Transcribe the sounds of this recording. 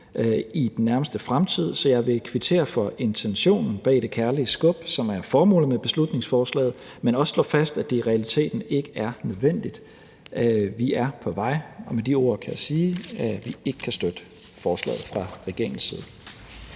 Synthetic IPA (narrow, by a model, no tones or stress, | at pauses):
id̥enːæɐməsd̥əfʁamt͡sʰið̞̰ˠsɒ̽jɑ̈ɪʋe̝kʰʋit͡sʰe̝̰ːɐfɒ̽e̝nt͡sʰenɕo̝̰ːnn̩b̥ɛ̰ːd̥e̝kʰæɐliəsɡ̥ɔ̽b̥sɒ̽mæɐfɒːmɔ̰ːl̩ˠmeb̥e̝slud̥ne̝ŋsfɒːslɛ̰ːð̩ˠ | menɒ̽sslɔ̰ːfæsd̥æd̥e̝ʁɛælit͡sʰe̝̰ːd̥n̩e̝ɡ̥əæɐnøð̞ˠʋen̰d̥id̥ | ʋiæɐpʰɒ̽ʋɑ̈ɪ̰ɒ̽med̥io̝̰ɐ̰kʰæjasiːæʋie̝ɡ̥əkʰæsd̥ød̥ə | fɒːslɛ̰ːð̞̩ˠfʁɑ̈ʁɛɡ̥e̝ɐɪŋ̩sːiːð̞ˠ